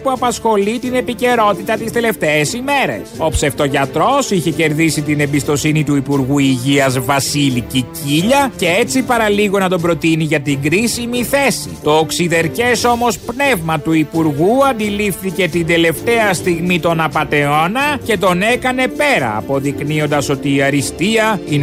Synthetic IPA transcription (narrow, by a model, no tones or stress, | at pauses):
puɐpɐsxo̞lit̪ine̞pice̞ɾo̞t̪it̪ɐt̪ist̪e̞le̞ft̪eːsime̞ɾe̞̰so̞pseft̪o̞ʝɐt̪ɾo̞siçe̞ce̞ɾðisit̪ine̞mbist̪o̞sinit̪uipuɾɣuiʝiɐzvɐsiliciciʎɐce̞e̞t͡sipɐɾɐliɣo̞nɐt̪̬o̞bɾo̞t̪iniʝɐt̪iŋɡɾisimiθe̞sḭt̪o̞ːksiðe̞ɾce̞so̞mo̞spne̞vmɐt̪uipuɾɣuɐnd̪ilifθice̞t̪ind̪e̞le̞ft̪e̞ɐst̪iɣmit̪o̞nɐpɐt̪e̞o̞nɐce̞t̪o̞ne̞kɐne̞pe̞ɾɐ̰ːpo̞ðiknio̞nd̪ɐso̞t̪iːɐɾist̪iɐin